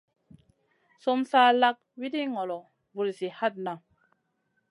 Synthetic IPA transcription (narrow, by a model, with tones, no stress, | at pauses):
so˦msaː˦la˦k̚wi˦di˦ŋɔ˨lɔ˨ | vu˨lzi˨ha˦t̚na˨